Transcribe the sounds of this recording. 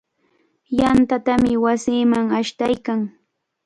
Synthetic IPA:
jant̪at̪amɪwasiːmaŋaʃt̪ajkaŋ

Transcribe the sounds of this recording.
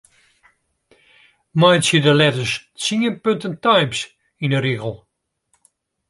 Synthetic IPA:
majtsidəlɛtəst͡siənpøntəntajms | inəɾiɣəlˠ

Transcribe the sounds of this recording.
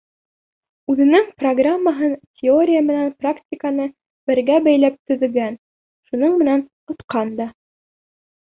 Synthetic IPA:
ʉðɘ̆nɘŋproɡramːəɦɤntʲʰɪo̞ɾʲɪjəmɘ̆nænpraktʲɪkənɤ | bɘ̆ɾɡæbæjlæp̚t̪ɵ̆ðɘ̆lɡæn | ʃunoɴmɘ̆næn | ŏt̪qɑnd̪ɑ

